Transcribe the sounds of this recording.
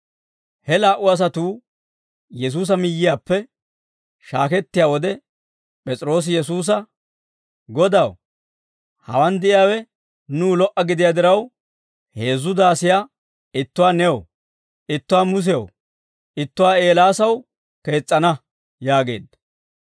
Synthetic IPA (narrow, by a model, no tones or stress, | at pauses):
hɛlaːʔʊɐs̬ɐt̪uː | jɛs̬uːs̬ɐmɪjːɪjaːpːɛ | ʃaːkɛt̪ːɪjaːwɔd̪ɛ | pʼɛt͡sʼɪɾo̞ːs̬ɪjɛs̬uːs̬ɐ | ɡɔd̪ɐw | hɐ̰wɐnd̪ɪʔɪjaːwɛ | nuːlɔʔɐɡɪd̪ɪjaːd̪ɪɾɐw | he̞ːzːʊd̪aːsɪjaː | ɪt̪ːʊwaːnɛw | ɪt̪ːʊwaːmʊs̬ɛjɐ̰w | ʔɪt̪ːʊwaːe̞ːlaːsɐw | ke̞ːt͡sʼːɐnɐ | jaːɡe̞̰ːd̪ːɐ